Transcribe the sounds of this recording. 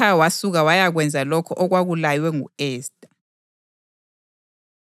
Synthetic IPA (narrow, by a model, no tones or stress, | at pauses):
awasuɣawajaɣwɛnd͡zʱalɔkʰɔʔɔɣwaɣulajwɛŋuɛːstʼḁ